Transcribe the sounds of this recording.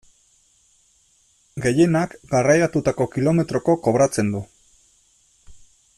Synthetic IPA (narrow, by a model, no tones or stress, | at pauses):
ɡe̞je̞nakɡarajat̪ut̪ako̞kilo̞me̞t̪ɾo̞ko̞ko̞β̞ɾat͡se̞nd̪u